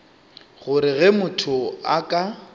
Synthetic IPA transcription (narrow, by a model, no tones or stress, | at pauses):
ɣʊɾɪɣɛmʊtʰʊakʼa